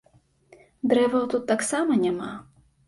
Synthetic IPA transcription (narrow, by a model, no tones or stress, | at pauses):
d̪ɾɛvɐwt̪ut̪ːaksamɐnʲama